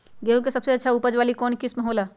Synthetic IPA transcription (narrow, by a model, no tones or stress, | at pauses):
ɡeːuk̬esɐbseɐtːʃʰaupəd͡ʒʋaːlikɔːnkɪsmɐɦoːla